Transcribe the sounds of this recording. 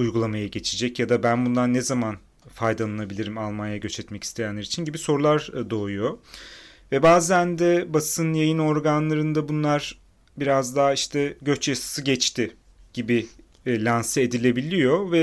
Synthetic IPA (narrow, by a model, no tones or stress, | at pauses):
ujɡulˠamajaɟe̞t͡ʃʰid͡ʒɛcjad̪abænbunlˠaɾnɛzaman | fajd̪alˠanabilʲiɾimalˠmanjaɟø̞t͡ʃɛt̪mɛci̥st̪ʰe̞jænlʲɛɾit͡ʃʰinɟibiso̞ɾulˠaɾd̪o̞ːujo̞ | vɛbaːzænd̪ɛbasɯnjajɯno̞ɾɡanlˠaɾɯnd̪abunlˠaɾ | biɾazd̪aːiʃt̪ʰɛɟø̞t͡ʃjasḁsɯɟɛt͡ʃt̪ʰɪ | ɟ̥ibi | lʲansɛed̪ilʲe̞bilʲijo̞vɛ